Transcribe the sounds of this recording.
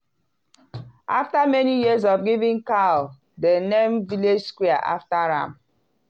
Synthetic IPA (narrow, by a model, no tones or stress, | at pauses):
ʔaftamɛnijiz̬ɔvɡivĩŋkal | denẽmviled͡ʒskwiaʔaftaɹã̰m